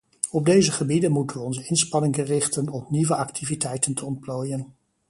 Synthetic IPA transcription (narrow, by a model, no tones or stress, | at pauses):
ɔb̚dejzəχəbidənmutənʋəɔnzəɪnspɑnɪŋərɪχtənɔpniʋəʔɑktʰivitɛjtəntʰəɔnt̚ploːjən